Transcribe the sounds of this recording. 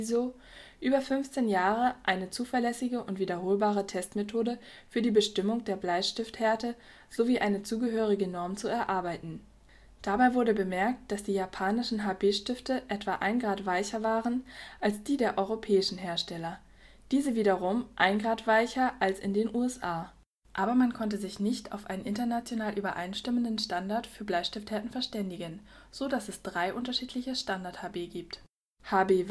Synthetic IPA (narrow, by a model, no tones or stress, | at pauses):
zo | ʔyːbɐfʏnft͡seːnjaːʁəʔaɪnət͡suːfɛɐlɛsɪɡəʔʊntv̥iːdɐɦoːlbaːʁətʰɛstmetʰoːdə | fyːɐdiːbəʃtɪmʊŋdeːɐblaɪçʃtɪftheːɐtə | z̥oviːʔaɪnət͡suːɡəɦøːʁ̞ɪɡənɔɐmt͡suɛɐʔaɐbaɪtn̩ | d̥abaɪvʊɐɾəbəmɛɐk̚t̚d̥asd̥iːjapʰaːnɪʃn̩ɦaːbeːʃtɪftəʔɛtv̥aʔa̰ɪnɡʁaːtv̥aɪçɐvaːʁənʔalsd̥iːdeːɐʔɔʏʁopʰɛːɪʃn̩ɦeːɐʃtɛlɐ | d̥iːzəviːdɐʁʊmʔa̰ɪnɡʁaːtv̥aɪçɐʔalsɪ̰ndeːnʔuːɛsʔaː | ʔaːbɐmankʰɔntəzɪçnɪçta̰ʊfʔa̰ɪnənʔɪntɐnat͡sjonaːlʔyːbɐʔaɪnʃtɪməndənʃtandaɐtfyːɐblaɪʃtɪfthɛɐtn̩fɛɐʃtɛndɪɡən | z̥odasɛsd̥ʁaɪʔʊntɐʃiːtʰlɪçəʃtandaɐthaːbeːɡiːp̚t | haːbeː